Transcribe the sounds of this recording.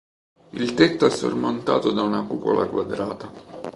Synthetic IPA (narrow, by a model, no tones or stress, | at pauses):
ilt̪et̪ːoɛsːo̰rmont̪a̰ːt̪od̪aunakuːpo̰lʔa̰kwad̪ɾaːt̪a